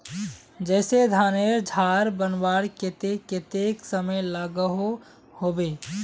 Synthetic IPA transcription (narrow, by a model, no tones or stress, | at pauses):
d͡ʒɛːsed̪ʱaːneɾd͡ʒʱaɾbənbaːɽket̪eket̪eksəməjlaɡəɦo | hoːbe